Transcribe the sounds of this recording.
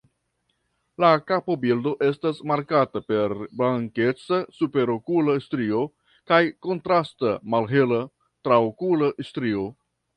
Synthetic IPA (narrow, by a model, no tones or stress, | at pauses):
lakapobildo̞ʔe̞stasmaɾkatape̞ɾblaŋke̞t͡sasupe̞ɾokulaistɾio̞ | kajko̞ntɾastamalɦe̞la | tɾaokulaʔistɾio̞